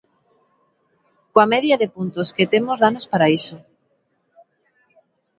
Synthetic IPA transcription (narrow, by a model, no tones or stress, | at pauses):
koamɛðjaðepunt̪osket̪emozðanospaɾaiso